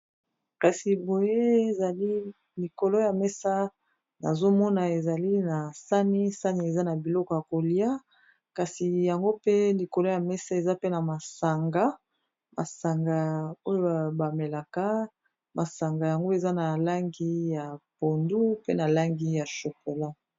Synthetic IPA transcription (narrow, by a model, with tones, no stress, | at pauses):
ka˨si˨bo˨je˦e˨za˨li˦ | li˨ko˨lɔ˦ja˨mɛ˦sa˦ | na̰˨zo˦mɔ˦na˨e˨za˨li˦na˨sa˦ni˦sa˦ni˨e˨za˦na˨bi˨lɔ˦kɔ˨ja˨ko˨li˦a˦ | ka˨si˨ja˨ŋɡo˦pe˦li˨ko˨lɔ˦ja˨mɛ˦sa˦e˨za˦pe˦na˨ma˨sa˨ŋɡa˦ | ma˨sa˨ŋɡa˨o˦jo˦ba˨me˨la˨ka˦ | ma˨sa˨ŋɡa˨ja˨ŋɡo˦e˨za˦na˨la˦ŋɡi˦ja˨po˨ndu˦pe˦na˨la˦ŋɡi˦ja˨ʃo˨ko˨la˦